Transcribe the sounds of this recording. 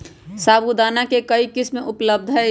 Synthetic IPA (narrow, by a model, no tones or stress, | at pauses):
saːbud̪aːnakekəikɪsmẽʔʊpləb̚d̪ʱɦɛ